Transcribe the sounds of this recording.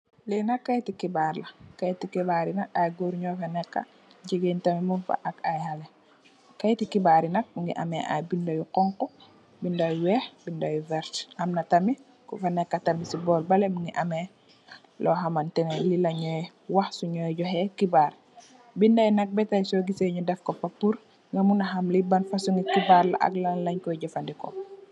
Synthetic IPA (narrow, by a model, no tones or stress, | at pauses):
linakːajtikibaɾlakajtikibaɾinak̚ajɡoɾɲɔfanɛkːa̰ | ɟeɡeːntamimufa̰ʔakajhale | kajtikibaɾinak̚muŋɡḭʔa̰meʔa̰jbindajuqɔŋkɔ | bindajwɛːhbindajuvɛɾtamnatami | kufanekatamisibɔlbalemuŋɡiʔamɛ | lʔɔɦamantɛnelilaɲɔjɛ | waxsuɲɔjɟɔɦɛkibaɾ | bindajnɐk̚bɛtajsoɡiseɲudɛfkɔpopːuɾ | ŋɡamunaɦɐmlibanfasuŋɡikibaɾla̰ʔa̰ɡlanlaɲkɔɟɔfandikɔ̰